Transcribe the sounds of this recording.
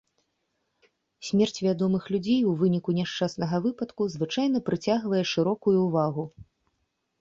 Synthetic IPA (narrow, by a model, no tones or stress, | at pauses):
sʲmʲɛrt͡sʲvʲad̪ɔmɨxlʲud͡zʲejuvɨnʲikunʲɛʂt͡ʂasnɐɣɐvɨpɐt̪kuzvɨt͡ʂajn̪ɐpɾɨt͡sʲaɣvɐjɛʂɨɾɔkujuːvaɣu